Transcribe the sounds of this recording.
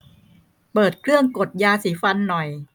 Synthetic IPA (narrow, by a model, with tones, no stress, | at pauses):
pɤː˨˩t̪̚kʰɾɯ˥˩əŋko˨˩t̪̚jaː˧siː˨˩˦fa˧nːɔ˨˩j